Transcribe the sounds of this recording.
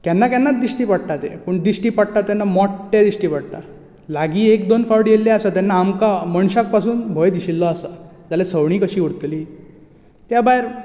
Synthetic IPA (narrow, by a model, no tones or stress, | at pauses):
kjanːakanːat̪̚d̪iɕʈiːpaɽt̪at̪ḛpəɳd̪iɕʈiːpaɽt̪at̪ːɛnːamɔʈt̪ɛd̪isʈiːpaɽt̪a | laɡiːekd̪onfawɽjelːɛasat̪anːaːmkaməɳɕak̚pasuːnbʱɔjd̪iɕilːɔasa | d͡zalesəʋɳ̃iːkəɕiːuɽt̪liː | t̪jabaeɾ